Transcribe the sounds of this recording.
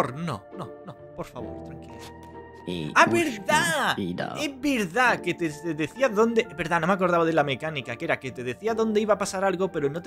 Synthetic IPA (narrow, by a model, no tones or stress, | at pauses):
oɾno̰nono | po̞ɾfaβo̰ɾt̪ɾaŋkile | aβeɾðaia̰eβeɾðaket̪eteðeθiaðond̪ebe̞ɾðanomeak̬o̞ɾðaβað̞elamekanikakeɾaket̪eðe̞θiaðõ̞nd̪eiβapasaɾalɣope̞ɾonot̪